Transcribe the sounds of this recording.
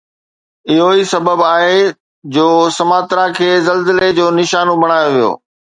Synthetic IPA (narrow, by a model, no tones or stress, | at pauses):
ɪɦoisɐbəbaːɦe | d͡ʑoːsɐmaːt̪ɾakʰeːzɐlzəled͡ʑoːnɪʃaːnõbɐɽ̃aːjoʋijo̰ː